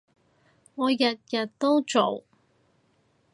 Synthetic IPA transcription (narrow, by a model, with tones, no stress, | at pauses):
ŋɔː˨˧jɐ˨t̚jɐ˨t̚t̪o˥wt͡ʃo˨˩w